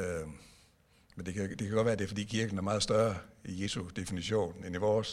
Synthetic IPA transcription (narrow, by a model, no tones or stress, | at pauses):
mend̥e̝kʰæd̥e̝kʰæɡɒ̽d̥ʋæːɐd̥e̝fɒ̽d̥ḭːkʰiɐɡ̥n̩æɐmɑ̈ːð̩ˠsd̥ɶɐɐije̝sud̥e̝finiɕo̝̰ːneniʋɒːs